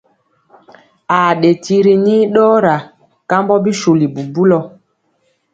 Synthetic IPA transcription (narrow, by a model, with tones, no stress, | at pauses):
a˨ɗe˨ti˨ɾi˨ni˦ɗɔ˦ɾa˨ | ka˦mbɔ˦bi˦ʃu˨li˨bu˨bu˦lɔ˨